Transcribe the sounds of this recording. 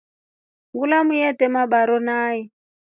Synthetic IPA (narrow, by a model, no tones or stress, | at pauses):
ŋɡulamujɛtɛmabaɾɔnaːɛ